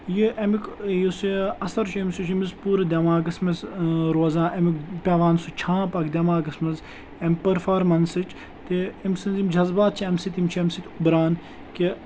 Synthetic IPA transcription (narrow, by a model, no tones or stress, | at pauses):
jiʔɐmikjosiɐsɐɾt͡ʃʰuemʲsut͡ʃʰimizpuːɾɐd̪ʲɐmaːɡɐsmɐzɾoːzãːʔemikpʲaːʋaːnsut͡ʃʰãːpɐkd̪ʲɐmaːɡɐsmɐz | emʲpɐɾfaːɾmɐnsɨt͡ʃ | t̪eimsɨnzimd͡ʒɐzbaːt̪̚t͡ʃʰiɐmsit̪imʲt͡ʃʰiemsit̪ʰʲubɾaːn | ke